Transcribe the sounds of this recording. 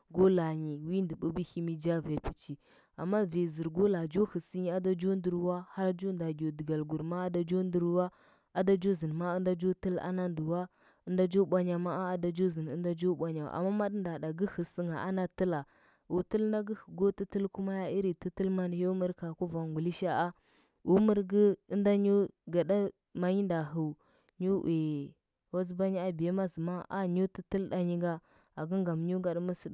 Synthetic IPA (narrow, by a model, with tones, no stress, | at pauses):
ɡo˦la˨ɲi˨wi˦ndə˨bu˦bi˦hi˦mi˦d͡ʒa˦ve˨pi̥˨t͡ʃi˨ | a̰˨mːa˦ve˨zi˨ɾɡo˦la˨d͡ʒo˦hə˨si˦ɲi˦a˦da˦d͡ʒo˦ndə˨ɾwa˦ha˦ɾd͡ʒo˦nda˨ɡʲo˨də˨ɡa˨lɡu˨ɾma˦a˦da˨d͡ʒo˦ndə˨ɾwa˦ | a˦da˦d͡ʒo˦zə˨n˨ma˦ə˦nda˦d͡ʒo˦tə˦la̰˦na˦ndu˨wa˦ | ə˦nda˦d͡ʒo˦ɓʷa˦ɲa˨ma˦a˦a˦da˦d͡ʒo˦zi˨n˨ə˦nda˦d͡ʒo˦ɓʷa˦ɲa˨a̰˨mːa˦ma˦dnda˨da˨ɡə˦hə˨si˦ŋa˨ʔa˦na˦tə˦la˨ | u˨tə˦lnda˦ɡə˦hə˨ɡo˦ti˦ti˦lku˦ma˦ja˦i˦ɾi˨ti˦tə˦lma˦njo˦mə˦ɾka˨ku˦va˨ŋɡu˨li˦ʃa˦a˦ | u˦mə˦ɾɡə˦ə˦nda˦ɲu˦ɡa˨da˦ | ma˨ɲi˦nda˨ɦu˨ | ɲu˦we˨ | wa˦z̬ba˦ɲi˦a˦bi˨je˦ma˦zə˨ma˦ʔa̰˦ɲu˦ti˦tə˦lɗa˨ɲi˦ɡa˦ | a˨ɡə˦ŋɡa˨m˨ɲu˦ɡa˦ɗmə˦si˦